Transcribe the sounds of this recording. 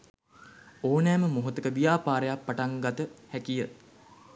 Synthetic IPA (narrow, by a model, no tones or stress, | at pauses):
oːnæːməmoɦut̪əkəʋijaːpaːɾəjapːaʈaŋɡat̪əhækijə